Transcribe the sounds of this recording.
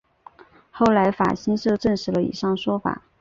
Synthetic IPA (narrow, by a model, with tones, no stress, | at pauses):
xo˥˩ʊla˧˥ɪfa̰˨˩ɕi˥nʂɤ˥˧ʈ͡ʂə˥˩ŋʂɻ̩˧˥lə˧ḭ˨˩ʂɑ˥˩ŋʂwɔ˥fa̰˨˩˦